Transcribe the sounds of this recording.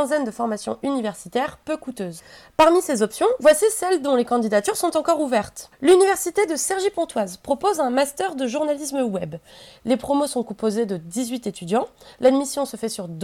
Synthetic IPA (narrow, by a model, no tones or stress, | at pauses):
ɛ̃zɛnd̪əfɔʁmasjɔ̰̃ʔynivɛʁsit̪ɛʁpøkut̪øːzpaʁmisezɔpsjɔ̃vwasisɛld̪ɔ̃lekɑ̃d̪id̪at̪yʁsɔ̃t̪ɑ̃kɔʁuvɛʁt̪lynivɛʁsit̪ed̪əsɛʁʒipɔ̃t̪wazpχɔpozɛ̃mast̪œʁd̪əʒuʁnalisməwɛblepχɔmosɔ̃kɔ̃pozed̪əd̪izɥit̪et̪yd̪jɑ̃lad̪misjɔ̃səfɛsyʁd̪